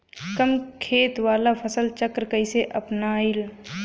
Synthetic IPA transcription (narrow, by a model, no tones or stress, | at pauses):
kəmkʰeːt̪waːlapʰəsəlt͡ʃəkɾkəɪseʔɐpnaːɪl